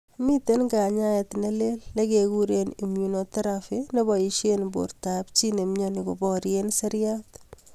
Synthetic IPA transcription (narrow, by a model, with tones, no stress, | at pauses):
mi˦te˦nka˨ɲa˦ɛ˨tne˦le˦lːe˦ke˨ku˦ɾeni˨munotɐ˦ɾafine˦bɔ˨iʃenbo̰˨ɾtapt͡ʃi˦ne˨mɲɔnɪ˨ko˨bɔɾjensɛ˦ɾjat